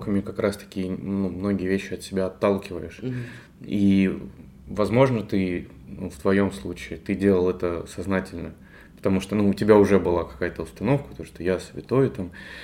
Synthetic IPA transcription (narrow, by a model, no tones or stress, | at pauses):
kəmʲɪkɐkɾʔast̪ɐ̥kʲijənumno̞ɡʲɪjəvʲeɕːɪɐt̪sʲɪbʲaɐt̪ːalˠkʲɪvə̰jɪʂ | i | vɐzmo̞ʐnət̪ɨ | nṵft̪vɐjo̞mslˠut͡ɕɪːt̪ɨdʲelˠəlˠɛt̪əsɐznatʲɪlʲnə | pə̥t̪ɐmuʂt̪onuːtʲɪbʲaʊʐɛbɨlˠakɐ̥kajət̪əʊst̪ɐno̞fkə̥t̪oʂt̪ojasvʲɪt̪o̞ɪt̪am